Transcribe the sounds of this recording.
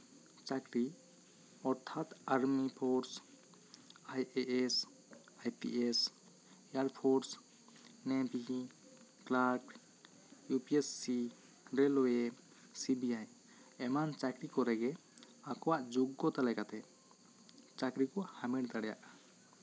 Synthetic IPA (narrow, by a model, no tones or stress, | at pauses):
t͡ʃakɾi | ɔɾt̪ʰat̪aɾmipʰɔɾs | ajeʔes | ajpḭʔes | aɾpʰɔɾs | nɛbi | klak | jupiesːi | ɾelɔe | sibiaj | ɛmant͡ʃakɾikɔɾɛɡɛ | akɔwaʔd͡ʒuɡːɔt̪alɛɡat̪ɛ | t͡ʃakɾikɔhamɛɽd̪aɽja̰ʔ